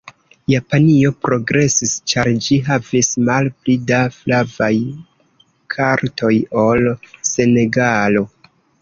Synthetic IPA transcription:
japanio̞pɾo̞ɡɾe̞sist͡ʃaɾd͡ʒiɦavismalplidaflavaj | kʰaɾtʰo̞jo̞lse̞ne̞ɡalo̞

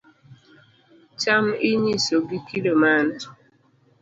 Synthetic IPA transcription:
t͡ʃam̩iɲisoɡikʰidoman̩t

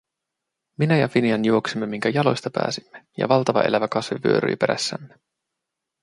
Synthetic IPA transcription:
minæjɑfiniɑnjuo̞ksimːemiŋkæjɑlo̞̰jst̪ɑpæ̰ːsimːejɑ̰ʋɑlt̪ɑʋɑ̰ʔe̞læʋækɑsʋipy̰øɾy̰ːpe̞ɾæ̰sːæ̰mːe

